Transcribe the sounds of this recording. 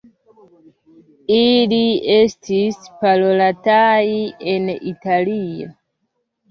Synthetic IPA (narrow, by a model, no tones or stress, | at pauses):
ilie̞stispalolataienḭtalio